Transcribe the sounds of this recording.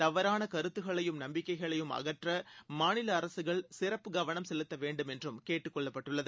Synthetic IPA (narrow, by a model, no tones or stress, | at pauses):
t̪ɐʋɐɾaːnɐkɐɾɯt̪ːɯɣɐɭɐjɯmnɐmbɪkːɐɪɣɐɭɐjɯmɐ̰ɣɐʈrɐmaːnɪlɐːɾɐsɯɣɐɭsɪrɐpːɯɡɐʋɐnɐmsɛlɯt̪ːɐʋeːɳɖɯmɛndrɯmkeːʈːɯkːɔɭːɐpːɐʈːɯɭːɐðɯ